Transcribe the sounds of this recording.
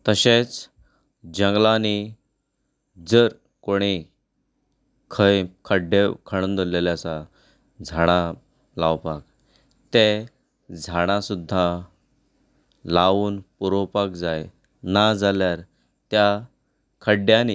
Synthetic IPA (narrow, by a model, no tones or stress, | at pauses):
t̪əɕet͡s | d͡ʑəŋɡlani | d͡zəɾ | koɽ̃i | kʰəjkʰəɖekʰəɽ̃ənd̪oleljasa | d͡zʱaɽ̃a | lawpak̚ | t̪e | d͡zʱaɽ̃asud̪ʱːa | laʋuːnpuɾowpakd͡zaj | nad͡zaljaɾ | t̪ja | kʰəɖjani